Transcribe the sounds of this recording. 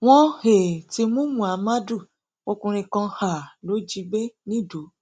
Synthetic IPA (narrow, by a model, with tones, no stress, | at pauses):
w̃ɔ̃˦he˨ti˧mũ˦mũ˦˨a˨˧ma˦du˦˨ | o˧kũ˧ɾ̃ĩ˧kã˧ha˨lo˨˦d͡ʒi˧˦be˦nĩ˦˨do˨˦